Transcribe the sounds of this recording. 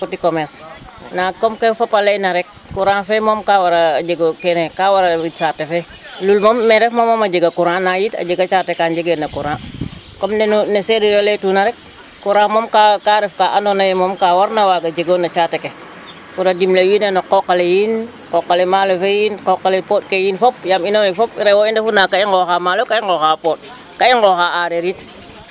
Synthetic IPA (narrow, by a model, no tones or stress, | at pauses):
kutikɔmɛs | nakɔmkefapalejnaɾɛk̚ːuɾãːnfɛmɔmkawaɾad͡ʒeɡokɛnekaːwaɾait͡ʃatɛfɛ | lulmɔmːɛɾɛfmɔmɔmaɟəɡakuɾãːnajitɐ̰ɟəɡat͡ʃaːtɛkaɲɟəɡenɐkuɾã | kɔmnɛnunesɛɾiɾoletunaɾɛk̚ | kuɾamɔmkakaɾɛfkaːʔandonajɛmɔmkawaɾnawaːɡad͡ʒeɡonat͡ʃaːteke | kuɾadimlewinenoqɔqːalejin | kɔqːalɛmalofejinkɔqːalepɔːt̚kejinfɔp̚jaminoɛkfɔp̚ɾɛwɔindefunakaiŋɡɔxamaːlokaiŋɡɔxapɔːt̚ | kaiŋɡɔxaaɾeɾit̚